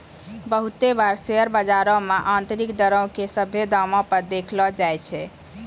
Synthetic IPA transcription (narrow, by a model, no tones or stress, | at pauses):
bəɦut̪ebaɾseəɾbəd͡ʒaɾɔmeʔant̪ɾikd̪əɾəw̃kesəbʱed̪amɔ̃pəɾd̪ekʰlɔd͡ʒajt͡ʃʰɛ